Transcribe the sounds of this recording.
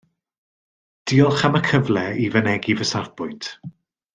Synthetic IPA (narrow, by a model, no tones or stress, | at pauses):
d̥iːɔlˠχaməkʰəvlɛivənɛɡivəsarbʊɨntʰ